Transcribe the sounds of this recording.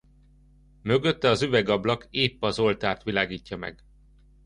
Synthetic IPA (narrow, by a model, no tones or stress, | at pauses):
mø̞ɡø̞t̪ːɛɒzyvɛɡɒblɒkeːpːɒzo̞lt̪aːrt̪ʋilaːɡiːcːɒmɛ̰ɡ